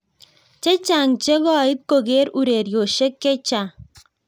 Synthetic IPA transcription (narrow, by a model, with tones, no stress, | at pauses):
t͡ʃe˦t͡ʃa˨ŋt͡ʃe˦ɡɔ˦˨i˦t̪̚ko˨ɡe˦ɾu˨ɾe˨ɾjo˨ʃe˦kːe˦t͡ʃa˨